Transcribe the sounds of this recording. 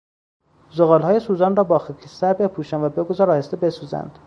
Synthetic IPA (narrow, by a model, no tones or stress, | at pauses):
zoɣɒːlhːjesuːzɒːnrɒːbɒːxekʰisæɾbe̞pʰuːʃænvæbeɡozɒːɾɒːhest̪ebe̞suːzæ̰nd̪̥